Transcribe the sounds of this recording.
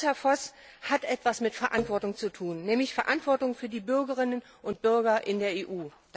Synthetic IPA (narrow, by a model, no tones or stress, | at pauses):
hɛɐfɔs | hatʔɛtv̥asmɪtfɛɐʔantv̥ɔɐtʊŋt͡sutʰuːnːɛːmlɪçfɛɐʔantv̥ɔɐtʊŋfyːɐdiːbʏɐɡəʁɪnən | ʔʊntb̥ʏɐɡɐʔɪndeːɐeːʔu̥ː